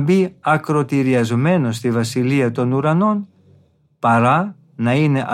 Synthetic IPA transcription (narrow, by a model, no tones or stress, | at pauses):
biɐkɾo̞t̪iɾiɐzme̞no̞st̪ivɐsiliɐt̪o̞nuɾɐno̞n | pɐɾɐ | nɐine̞ʔɐ